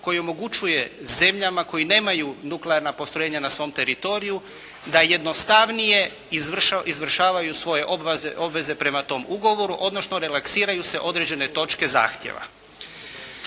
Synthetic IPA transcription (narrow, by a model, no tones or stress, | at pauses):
ko̞jio̞mo̞ɡut͡ʃuje̞ze̞mʎamako̞jine̞ːmajunukleaɾnapo̞st̪ɾjeɲanasʋo̞ːmt̪e̞ɾit̪o̞ɾiju | d̪aje̞d̪no̞st̪aʋnije̞ | irʃʔizʋr̩ʃaːʋajusʋo̞je̞ʔobzʔo̞bʋe̞ze̞pɾe̞mat̪o̞ːmuɡoʋo̞ɾuʔo̞d̪nosno̞ɾelaksiːɾajuse̞ʔo̞d̪ɾed͡ʑe̞ne̞t̪o̞t͡ʃke̞za̰ːxt̪jḛʋa̰